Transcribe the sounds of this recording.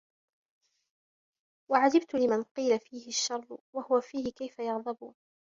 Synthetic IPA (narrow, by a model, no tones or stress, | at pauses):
waʕad͡ʒɪbt̪ʊlɪmanqiːlafiːhɪʃːɑɾˤːʊwahʊwafiːhɪkajfajɑɣðˤɑbuːn